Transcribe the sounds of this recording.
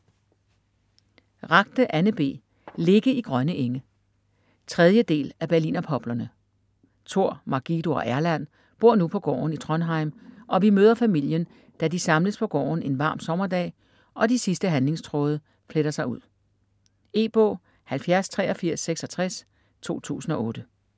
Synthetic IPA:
ʁɑ̈ɡ̥̚d̥əʔænəb̥e̝̰ː | le̝ɡ̥əiɡ̥ʁɶnəʔeŋə | t͡sʰʁɛð̞ˠjəd̥e̝̰ːlæb̥æɐlḭːnɐpʰɒ̽b̥lɐnə | t͡sʰo̝ɐ̰mɑ̈ɡ̥id̥o̝ɒ̽ʔæɐlæn̰ | b̥o̝ɐ̰nupʰɒ̽ɡ̥ɒ̰ːnit͡sʰʁɒnɦɑ̈ɪmʔɒ̽ʋimøːðˠɐfæmil̰jən | d̥ædisɑ̈mləspʰɒ̽ɡ̥ɒ̰ːne̝nʋɑ̈ːmsɒ̽mɐd̥ɛ̰ː | ʔɒ̽d̥isisd̥əɦænle̝ŋst͡sʰʁɔːð̞ˠə | fleɾ̥ɐsɑ̈ɪuð̰ˠ | e̝̰ːb̥ɔ̰ː | hælfjæɐst͡sʰʁɛ̰ːɒ̽fiɐ̰sːeɡ̥sɒ̽t͡sʰʁɛs | t͡sʰo̝̰ːt͡sʰṵːsn̩ɒ̽ʔɔ̽ːɾ̥ə

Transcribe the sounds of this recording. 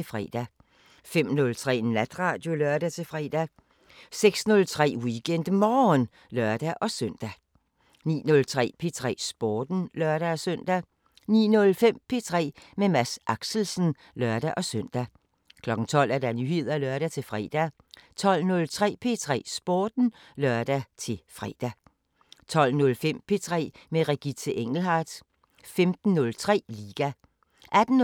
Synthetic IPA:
efʁɛ̰ːd̥æ | fem̰nɔ̽lt͡sʰʁɛ̰ːnæd̥ʁɑ̈ːd̥jo̝lɶɐd̥æt͡sʰe̝fʁɛːd̥æ | seɡ̥snɔ̽lt͡sʰʁɛ̰ːwiɡ̥en̰d̥mɒːn | lɶɐd̥æʔɒ̽søn̰d̥æ | nḭːnɔ̽lt͡sʰʁɛ̰ːpʰe̝t͡sʰʁɛ̰ːsb̥oːd̥n̩lɶɐɾ̥æɒsøn̰d̥æ | nḭːnɔ̽lfem̰pʰe̝ːt͡sʰʁɛ̰ːmemæsʔɑ̈ɡ̥sl̩sən̩ | lɶɐd̥æʔɒ̽søn̰d̥æ | kʰlɒ̽ɡ̥n̩t͡sʰɒ̽l̰æɐd̥ænyhe̝ð̞̰ˠɐlɶɐɾ̥æt͡sʰe̝fʁɛ̰ːd̥æ | t͡sʰɒ̽l̰nɔ̽lt͡sʰʁɛ̰ːpʰe̝̰ːt͡sʰʁɛ̰ːsb̥ɒːd̥n̩ | lɶɐd̥æt͡sʰe̝fʁɛ̰ːd̥æ | t͡sʰɒ̽l̰nɔ̽lfem̰pʰe̝t͡sʰʁɛ̰ːmeʁeɡ̥it͡sʰəʔeŋ̰l̩ɦɑd̥ | femd̥n̩ːɔ̽lt͡sʰʁɛ̰ːliːɡ̥æ | ʔæd̥n̩

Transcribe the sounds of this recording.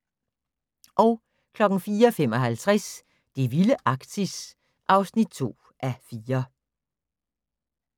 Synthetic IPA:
ʔɒ̽ʊ | kʰlɒ̽ɡ̥n̩fiːɐfemɒ̽ɦælt͡sʰʁæs | d̥e̝ʋiləʔɑ̈ɡ̥t͡sʰis | ʔɑ̈ʊsnid̥̚t͡sʰo̝̰ː | ʔæfiːɐ

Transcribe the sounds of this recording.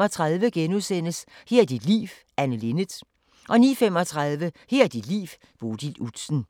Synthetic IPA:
ɒt͡sʰʁɑðˠʋəɡ̥enuðˠsen̰əsheɐ̰d̥id̥lḭːʋ | ænəle̝nəd̥ | ʔɒ̽nḭːfem̰ɒ̽t͡sʰʁɑ̈ðˠʋəheɐ̰d̥id̥lḭːʋ | b̥o̝ːd̥ilud̥sn̩

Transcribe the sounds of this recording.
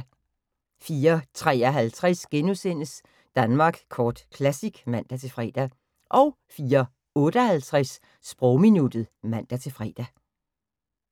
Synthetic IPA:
fiːɐt͡sʰʁɛ̰ːɒɦælt͡sʰʁasɡ̥enusen̰əs | d̥ænmɑ̈ɡ̥kʰɒːd̥kʰlæsiɡ̥mæn̰d̥æt͡sʰe̝lfʁɛ̰ːd̥æ | ʔɒ̽ʊ | fiːɐ | ɔ̽ːd̥əɒhælt͡sʰʁasː | b̥ʁɔʊminud̥ð̩ˠmæn̰d̥æt͡sʰe̝lfʁɛ̰ːd̥æ

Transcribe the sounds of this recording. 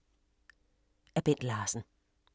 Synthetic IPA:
æb̥en̰d̥laːsn̩

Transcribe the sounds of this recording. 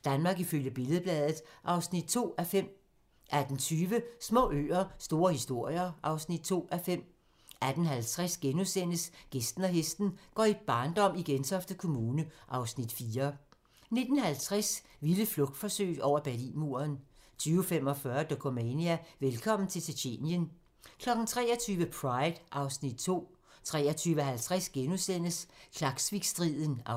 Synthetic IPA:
d̥ænmɑ̈ːɡ̥iføljəb̥e̝lð̩ˠb̥lɛːðˠð̩ˠʔɑ̈ʊsnid̥̚t͡sʰo̝̰ːæfem̰ | ʔæd̥n̩t͡sʰyːʋəsmɔ̰̽ːø̰ːɐsd̥o̝ːɐhisd̥o̝ɐ̰jɐʔɑ̈ʊsnid̥̚t͡sʰo̝̰ːæfem̰ | æd̥n̩ɦælt͡sʰʁɛsɡ̥enusen̰əsɡ̥esd̥n̩ɒɦesd̥n̩ɡ̥ɒ̰ːib̥ɑ̈ːnd̥ɒ̽m̰iɡ̥ent͡sʰɒfd̥ðkʰo̝muːnəʔɑ̈ʊsnid̥fiːɐ | ne̝d̥n̩hælt͡sʰʁas | ʋiləflɔ̽ɡ̥̚d̥fɒ̽sø̰ːɒʊ̰ɐb̥æɐlḭnmu̝ɐnt͡sʰyːʊfem̰ɒ̽fɶɐd̥okʰomɛniæʋelkʰɒ̽m̰n̩t͡sʰe̝lsʰeɕʰe̝̰ːnjən | kʰlɒ̽ɡ̥n̩t͡sʰʁɛ̰ːɐt͡sʰyːʋəpʰʁɑ̈ɪd̥ʔɑ̈ʊsnid̥̚t͡sʰo̝̰ː | t͡sʰʁɛːɐt͡sʰyːʋəɦælt͡sʰʁasɡ̥enusen̰əskʰlɑ̈ɡ̥sʋiɡ̥sd̥ʁiðˠn̩

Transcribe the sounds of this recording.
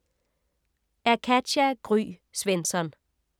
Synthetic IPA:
æɐkʰæ̥æɡ̥ʁy̰ː | sʋensɒn

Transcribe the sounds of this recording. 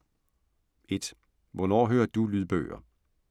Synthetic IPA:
e̝d̥ | ʋɒnɒ̰ːɦø̰ːɐd̥ulyðˠb̥œ̰ːɐ

